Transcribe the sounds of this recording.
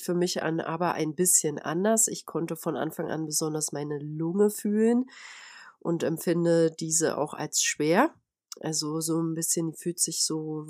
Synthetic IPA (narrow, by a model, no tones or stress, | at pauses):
fyːɐmɪçʔa̰nʔa̰ːbɐʔa̰ɪnbɪsçənʔa̰ndɐsɪçkʰɔntəfɔnʔa̰nfaŋʔa̰nbəzɔndɐsmaɪnəlʊŋəfyːlən | ʔʊntɛmfɪndədiːzə̰ʔa̰ʊxa̰lsʃv̥eːɐ | ʔalzozoːnbɪsçənfyːltz̥ɪçz̥oː